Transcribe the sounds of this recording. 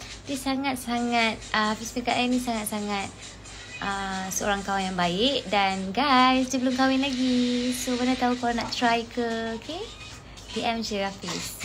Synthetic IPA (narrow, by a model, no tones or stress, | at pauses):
disaŋat̪̚saŋat̪̚əafispɛkaʔainĩsaŋat̪̚saŋat̪̚ | ʔəsəo̰ɾaŋkaaŋjaŋbaɪʔdanɡajsd͡ʒəbəlʊmkawɪnlaɡisobəndat̪aukalanaʔt̪ɾajkʰəokʰe | piʔɛmsiɾafɪs